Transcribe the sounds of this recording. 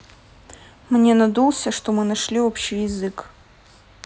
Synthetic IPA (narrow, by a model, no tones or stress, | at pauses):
mnʲenɐd̪ulˠsʲəʂt̪omɨnɐʂlʲio̞pɕɪjɪzɨk